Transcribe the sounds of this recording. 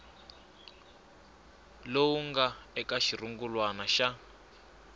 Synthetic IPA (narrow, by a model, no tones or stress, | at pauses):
lowuŋɡaɛkaʃiruŋɡulwanaʃa